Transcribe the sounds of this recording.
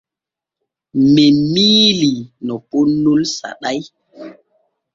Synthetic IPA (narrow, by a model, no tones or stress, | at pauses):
memiːlinɔponulsa̰ɗaj